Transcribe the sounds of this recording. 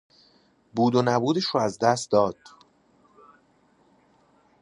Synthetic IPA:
buːd̪onæbuːd̪eʃoæzd̪æst̪̚d̪ɒːd̪̥

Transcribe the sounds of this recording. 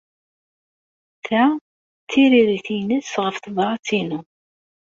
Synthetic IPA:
θæ | θːiɾiɾiθinəsʁəfθvˤɾˤɑt͡sːinu

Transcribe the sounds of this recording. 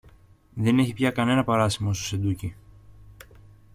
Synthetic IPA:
ðe̞ne̞çipçɐkɐne̞nɐpɐɾɐsimoost̪ose̞d̪uci

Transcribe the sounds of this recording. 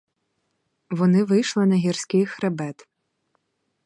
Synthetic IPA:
ʋɔnɪʋɪjʃlˠɪnɐɦʲirsʲkʲɪjxɾebɛt̪

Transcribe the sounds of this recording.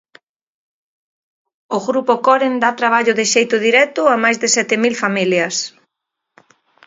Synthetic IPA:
ʊɣɾupokɔɾend̪at̪ɾaβ̞aʎʊðɪʃejt̪ʊðiɾɛt̪ʊamajzðɪsɛt̪ɪmilfamiljɐs

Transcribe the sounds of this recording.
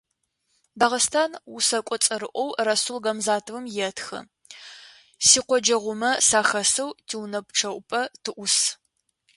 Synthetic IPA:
daːʁɐstʰaːnʊsɐkʷʼɔt͡sʼɐɾɨʔʷɔwrɐsulɡɐmzaːtʰɨwɨmjɛtʰxɐ̰ | siːqʷɔd͡ʒɐʁʷʊmɐsaːxɐsɐwtʰiwnɐp̚ʼʈ͡ʂʰɐʔʷʼʊpʼɐtʰɨʔʷʊs

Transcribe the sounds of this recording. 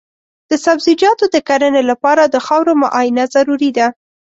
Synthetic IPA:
d̪̥əsabzid͡ʒɑt̪od̪əkaɾənelapɑɾad̪əxɑwɾoma̰ʔɑjɪnazaɾuɾid̪a

